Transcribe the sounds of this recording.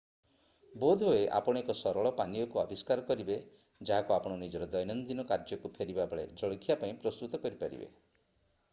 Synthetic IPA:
bod̪ʱoeʔa̰pɔɽ̃ekɔsɔɾɔɭɔpanijɔkuabiskaɾɔkɔɾibe | d͡ʒaɦakuapɔɽ̃ɔnid͡ʒɔɾɔd̪ɔjnɔnd̪inɔkaɾd͡ʒɔkupʰeɾibabɔɭḛd͡ʒɔɭɡʰʱjapaĩpɾɔst̪ut̪ɔkɔɾipaɾḭbḛ

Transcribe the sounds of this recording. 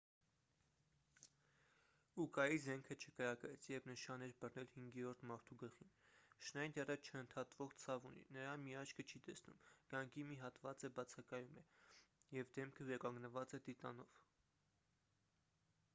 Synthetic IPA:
ukɑjizɛŋkʰət͡ʃʰəkəɾɑkɛt͡sʰjɛvnəʃɑnɛɾbərnɛlhiŋɡɛɾɔɾt̪ʰmɑɾt̪ʰuɡəχinʃnɑjnt̪ɛrət͡ʃʰəənt̪ʰɑt̪vɔʁt͡sʰɑvunḭnəɾɑmiɑt͡ʃʰkʰət͡ʃʰit̪ɛsnṵmɡ̥ɑŋɡimiɦɑt̪vɑt͡səbɑt͡sʰɑkɑjumɛjɛvd̪ɛmkʰəvɛɾɑkɑŋɡnəvɑt͡sɛd̪it̪ɑnɔv̥

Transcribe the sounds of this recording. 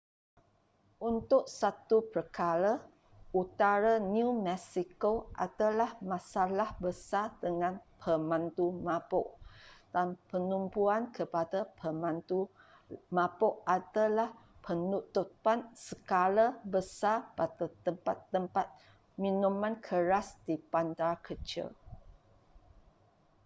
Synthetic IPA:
ʔunt̪ʊʔ̚sat̪upəɾkaɾa | ut̪aɾanjumɛsikoʔa̰dalahmãsalahbəsadəŋãnpʰəmãnt̪umãpoʔd̥anpənumpuankʰəpadapʰəmãnt̪u | mãpoʔadalahpʰənut̪upansəkalabəsapat̪at̪əmpat̪ːəmpat̪̚ | mĩnũmãnkʰəɾasd̥ipandakʰət͡ʃḭl

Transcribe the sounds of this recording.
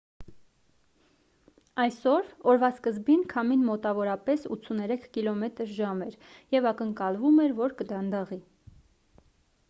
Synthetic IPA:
ɑjsɔɾɔɾvɑskəzbinkʰɑminmɔt̪ɑvɔɾɑpɛsṵt̪t͡sʰunɛɾɛkʰkilɔmɛt̪əɾʒɑmɛɾjɛvɑkəŋkɑlvumɛɾvɔɾkəd̪ɑnd̪ɑʁi

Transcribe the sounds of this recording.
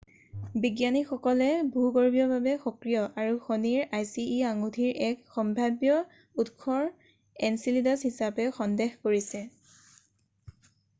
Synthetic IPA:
biɡjanixɔkɔlɛbʱuɡɔɹbʱiɔbʱabɛxɔkɹijɔʔaɹuxoniɹajsiːaŋudʱiɹɛkxɔmbʱabjɔ | utkʰɔɹ | ɛnsilidashisapɛxɔndexkoɹisɛ

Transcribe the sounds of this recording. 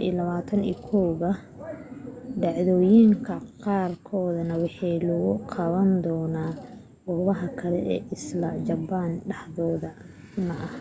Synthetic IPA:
ḭːlɐβaːt̪ʰɐnḭːkʰɔwɣɐ | ɖɑʕðɔjiŋkʰɐqɑːrkʰɔːðɐnɐwɑħɑjlʊɣʊqʰɑβɐnd̪ɔːnaː | ɡɔːβɐɦɐkʰɐlɛ̰ʔɛ̰ːʔɪslɐd͡ʒɐbaːnɖɑħðɔːðɐmɐʔɐh

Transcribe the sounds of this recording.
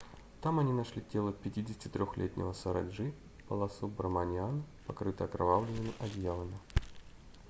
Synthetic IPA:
t̪amɐnʲinɐʂlʲitʲelˠəpʲɪtʲidʲɪsʲɪ̥tʲɪt̪ɾʲoxlʲḛt̪ʲnʲɪ̰vəsəɾɐ̰dʐɨ | pəlˠɐsubrmɐnʲɪanpɐkɾɨt̪əjɐkɾɐvavlʲɪnʲɪmʲɪʔɐd̪ʲjavˠəmʲɪ

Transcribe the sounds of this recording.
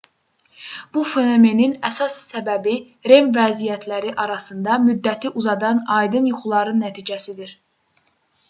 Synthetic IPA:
b̥ufenome̞ninæsɑsːæbæbi | ɾe̞mvæzijæt̪ʰlæɾiʔɑɾɑsɯnd̪ɑmyd̪ːæt̪ʰiʔuzɑd̪ɑnɑjd̪ɯnjuχulˠɑɾɯnːæt̪ʰiːd͡ʒæsid̪iɾ

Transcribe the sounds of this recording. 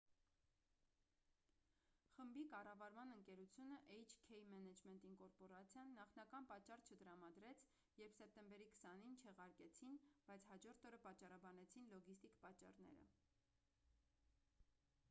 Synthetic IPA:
χəmbikɑrɑvɑɾmɑnəŋkɛɾut͡sʰjunəʔɛjt͡ʃʰkʰɛjmɛnɛd͡ʒmɛnt̪iŋkɔɾpɔɾɑt͡sʰjɑnːɑχnɑkɑnpɑt͡ʃːɑrt͡ʃʰət̪əɾɑmɑd̪ɾɛt͡sʰ | jɛɾpʰsɛp̚t̪ɛmbɛɾikʰə̥sɑnint͡ʃʰɛʁɑɾkɛt͡sʰinb̥ɑjt͡sʰhɑd͡ʒɔɾt̪ʰɔɾəpɑt͡ʃːɑrɑbɑnɛt͡sʰinlɔɡist̪ikpɑt͡ʃːɑ̰rnɛ̰ɾə̰

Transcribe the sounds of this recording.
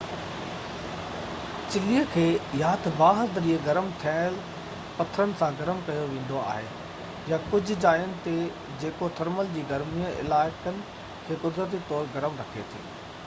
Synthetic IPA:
t͡ɕɪlijəkʰeːjaːt̪ʰbaːɦəɾd̪ɐɾiːəɡɐɾəmt̪ʰijaːɪl | pɐt̪ʰəɾənɪ̆sãɡɐɾəmkɐjoʋẽːn̆d̪oa̰ːɦḛ | jakʊd͡ʑʱʊ̆d͡ʑaːijənɪ̆t̪e | d͡ʑeːkot̪ʰɐɾməld͡ʑiːɡɐɾmijəʔɪ̰laːɪkənɪ̆ | kʰeːkʊd̪ɾət̪̬it̪ɔːɾɡɐɾəmɾɐkʰet̪ʰḭː

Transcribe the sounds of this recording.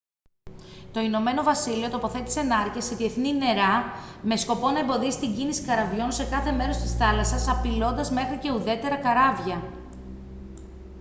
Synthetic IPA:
t̪o̞ino̞me̞no̞vɐsilio̞t̪o̞po̞θe̞t̪i̥se̞nɐɾceseðie̞θnine̞ɾɐme̞sko̞po̞nɐembo̞ðisi̥t̪iɲɟinisi̥kɐɾɐvʝo̞nse̞kɐθe̞me̞ɾo̞st̪i̥sθɐlɐsɐsɐpilo̞nd̪ɐzme̞xɾice̞uðe̞t̪e̞ɾɐkɐɾɐvʝɐ

